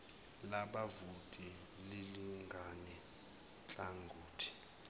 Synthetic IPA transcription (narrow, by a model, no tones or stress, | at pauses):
laɓavutʼi | liliŋɡʱanɛ | t͡ɬʼaŋɡʱuːtʰi̥